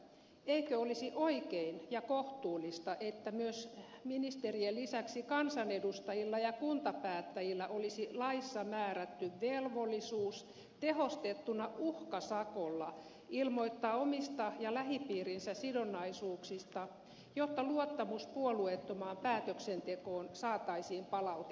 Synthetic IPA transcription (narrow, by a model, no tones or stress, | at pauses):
eikøolisiʔoikeinjɑkoht̪uːlist̪ɑʔet̪ːæmyøs | minist̪eriellisæksikɑnsɑnedust̪ɑjilːɑjɑkunt̪ɑpæːt̪ːæjilːæʔolisilɑisːɑmæːræt̪ːyʋʋelʋolːˑisuːs | t̪ehost̪et̪ːunɑuhkɑsɑkolːɑ | ilmoit̪ːɑːomist̪ɑjɑlæhipiːrinsæsidonːˑɑisuːksist̪ɑ | jot̪ːɑluot̪ːɑmuspuoluet̪ːomɑːmpæːt̪øksent̪ekoːnsɑːt̪ɑisiːmpɑlɑut̪e